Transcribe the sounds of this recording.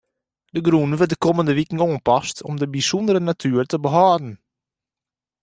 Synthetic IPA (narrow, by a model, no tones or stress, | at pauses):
d̥əɡɾuːnʋədəkʰɔməndəʋikŋ̩oːnpɑstʰɔ̰mdəbisɔndəɾənatʰyːərtəbəɦɑːdn̩